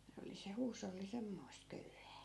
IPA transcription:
se oli se huːsolːi semːoi̯st køyhæː

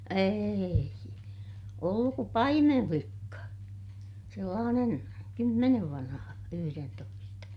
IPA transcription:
eːi olːuk ku pɑimemflikːɑ selːɑːnen kymːeneʋ ʋɑnhɑ yhyrentoistɑ

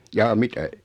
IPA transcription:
jɑː mitæ

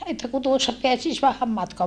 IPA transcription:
etːæ ku tuosːɑ peæsis ʋæhæm mɑtkoɑ

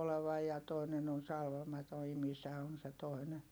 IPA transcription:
oleʋɑj jɑ toinen on sɑlʋɑmɑto imisæ on̞ se toi̯nen

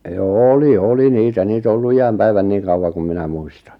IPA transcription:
joː oli oli niːtæ niːt o olːu ijæm pæiʋæn niːŋ̆ kɑuwɑŋ kum minæ muistɑ̥n̥

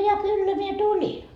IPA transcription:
jɑ kylːæ mie tulʲi

